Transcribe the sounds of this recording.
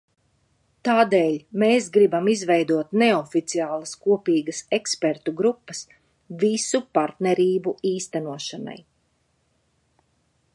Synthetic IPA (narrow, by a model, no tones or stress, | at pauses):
t̪aːd̪eːlʲmeːsɡɾibamizvɛjd̪uɔt̪neɔfit̪siaːlˠɐskuɔpiːɡɐsɛkspɛɾt̪uɡɾupːɐs | visupaɾt̪neɾiːbuiːst̪anuɔʃana̰j